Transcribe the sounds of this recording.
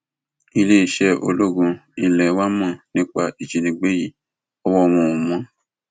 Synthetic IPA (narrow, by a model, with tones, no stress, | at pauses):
i˧le˦i˨ʃɛ˦ʔo̰˧lo˦ɡũ˧ĩ˧˨lɛ˨˦wa˦mã˦˨nĩ˦k͡pa˧ʔi˨d͡ʒi˨nĩ˧˦ɡ͡be˦ji˦˨ | ɔ˧wɔ˧ɔ˧mɔ̃˧˨ũ˨mɔ̃˨˦